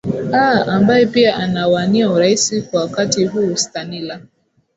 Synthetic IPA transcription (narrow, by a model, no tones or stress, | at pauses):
aambajɛpiaʔanawaniauɾaisikwawakatiɦuːstanila